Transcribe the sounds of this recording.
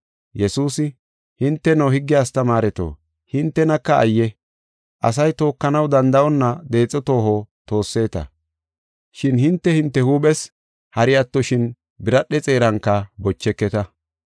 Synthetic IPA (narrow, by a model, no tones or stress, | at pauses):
jɛsuːsɪ | hɪnt̪ːɛnohɪɡːɪjaːst̪ɐmaːɾɛt̪o̰ː | hɪnt̪ːɛnɐkːɐ̰ːjːɛ | ʔɐ̰sɐjt̪o̞ːkːɐnɐwd̪ɐnd̪ɐɔnːɐd̪e̞ːt͡sʼːɔt̪o̞ːhot̪o̞ːsːe̞ːt̪ɐ̰ | ʃɪnhɪnt̪ːɛhɪnt̪ːɛhuːɓɛs | hɐɾɪjat̪ːɔʃɪn | bɪɾɐɗɛt͡sʼe̞ːɾɐŋkːɐbɔt͡ʃːɛkːɛt̪ɐ